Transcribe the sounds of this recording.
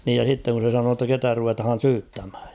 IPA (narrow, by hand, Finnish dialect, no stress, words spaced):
niːj jɑ s̞itːeŋ kun̞ se sɑnoː tːɑ ketæ ruʋetɑ̆hɑn̞ syːtːæmhæ̥ːj̊